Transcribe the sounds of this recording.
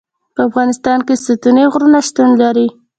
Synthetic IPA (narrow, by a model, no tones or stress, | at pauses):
pəafɣɑnɪst̪ɑnkesət̪uneɣɾunaʃt̪unlaɾi